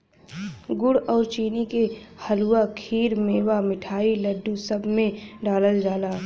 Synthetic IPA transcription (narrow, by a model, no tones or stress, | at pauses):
ɡʊɽɔːɾt͡ʃiːnike | həluːakʰiːɾmeːwamɪʈʰaːiləɖːusəbʱmẽɖaːləld͡ʒaːlaː